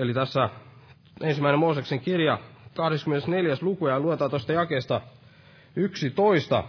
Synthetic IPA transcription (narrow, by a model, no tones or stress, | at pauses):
elit̪æsːæ | ensimːˑæinemoːsekseŋkirjɑkɑhɾeskymenesneljæslukujɑluet̪ɑːt̪ost̪ɑjɑkeːst̪ɑ | yksit̪oist̪ɑ̰